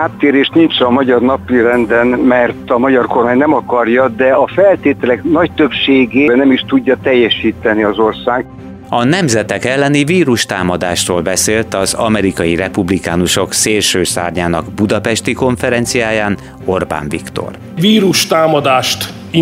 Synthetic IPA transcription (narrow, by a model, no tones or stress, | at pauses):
aːt̪ːeːɾeːʃt̪nint͡ʃɒmɒɟɒrnɒpiɾɛnd̪ɛnmɛrt̪ɒmɒɟɒrko̞rmaːɲnɛmɒkɒrjɒd̪ɛɒfɛlt̪eːt̪ɛlɛknɒc̚t̪øpʃeːɡeːɛnɛmiʃt̪uɟːɒt̪ɛjːɛʃiːt̪ɛniɒzo̞rsaːɡ | ɒnɛmzɛt̪ɛkɛlːɛniviːɾuʃt̪aːmɒd̪aːʃroːlbɛseːlt̪ɒzɒ̰mɛɾikɒjirɛpublikaːnuʃo̞kseːlʃøːsa̰ːrɲaːnɒɡbud̪ɒpɛʃt̪iko̞ɱfɛɾɛnt̪sijaːjaːn | o̞rba̰ːɱvikt̪o̞̰r | ʋiːɾuʃt̪aːmɒd̪aːʃt̪